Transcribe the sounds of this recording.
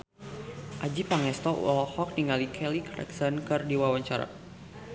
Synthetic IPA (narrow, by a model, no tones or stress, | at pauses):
ʔad͡ʒipaŋɛst̪ɔ̰lɔhɔk̚niŋalikʰɛlikrɛ̰ksankɨrdiwawaɲt͡ʃaɾa̰